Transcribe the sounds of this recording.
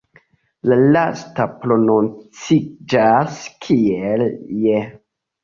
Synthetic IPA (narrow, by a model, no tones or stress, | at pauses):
lalastapɾo̞no̞nt͡sid͡ʒaskʰielje